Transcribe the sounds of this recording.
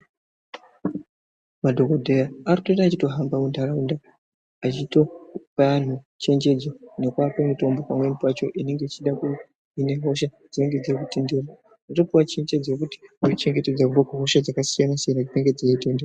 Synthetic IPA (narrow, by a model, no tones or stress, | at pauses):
madʱo̞kodʱe̞jaaritoraːt͡ʃito̞ɦambamundʱaɾaunda | at͡ʃito̞ʋaan̤u | t͡ʃe̞ɲd͡ʒe̞d͡zane̞kwapomito̞mbo̞pamwe̞nipwat͡ʃo̞ʔine̞ŋɡe̞it͡ʃiɗaku | ine̞ɦo̞ʃa | d͡zine̞ŋɡe̞d͡zekute̞nde̞ra | utopiwat͡ʃe̞ɲd͡ʒe̞d͡zaokuti̥unit͡ʃe̞ŋɡe̞te̞d͡zakuʋakuɦo̞ʃad͡zakasijanasijanat͡ʃite̞ŋɡe̞d͡zejetendewa